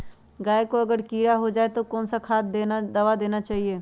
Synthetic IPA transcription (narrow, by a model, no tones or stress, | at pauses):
ɡaːekoɐɡəɾkiːɾaɦod͡ʒaːet̪okɔːnsakʰaːt̪̚d̪enad̪ɐʋad̪eːnat͡ʃaːɦieː